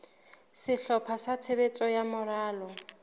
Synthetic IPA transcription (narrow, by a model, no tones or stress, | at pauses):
sɪɬɔpʰasatʰebet͡sʼɔjamʊraːlɔ